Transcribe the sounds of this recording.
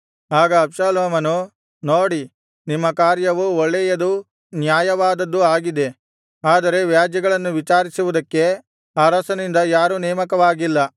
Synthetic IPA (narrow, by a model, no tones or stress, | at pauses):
aːɡɐːbʃaːloːmɐnu | noːɽi | nimːɐkaːɾjɐʋuɔɭːejɐd̪u | njaːjɐʋaːd̪ɐd̪ːuaːɡid̪e̞ | aːd̪ɐɾe̞ʋjaːd͡ʒjɐɡɐɭɐnːuʋit͡ʃaːɾisuʋud̪ɐkːe̞ | aːɾɐsɐnind̪ɐjaːɾunɛːmɐkɐʋaːɡilːɐ